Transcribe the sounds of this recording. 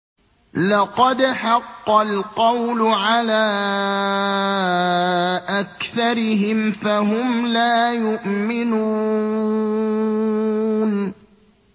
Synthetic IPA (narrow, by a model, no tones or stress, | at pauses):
lɑqɑd̪ħɑqːɑlqɑwlʊʕalaː | ʔakθɑɾɪɦɪmfaɦʊmlaːjʊʔmɪnuː | n